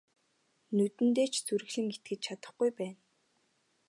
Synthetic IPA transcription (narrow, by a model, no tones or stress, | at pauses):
nɵt̪ɘ̆nt̪eːt͡ɕʰt͡suɾɘ̆ɮɘ̆ŋɡet̪̚ɡɘ̆t͡ɕ̚t͡ɕʰat̪ə̆χɡujpæːn